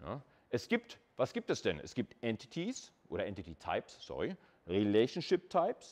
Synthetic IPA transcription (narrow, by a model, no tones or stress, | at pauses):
na̰ | ʔɛsɡ̥iːp̚t | vasɡ̥iːp̚tɛsd̥ɛnɛ̰sɡ̥iːp̚tʔɛntʰɪ̥tʰisʔo̰ːɾɐʔɛntititʰa̰ɪpssɔ̰ʁi | ʁilɛʃn̩ʃɪp̚tʰaɪps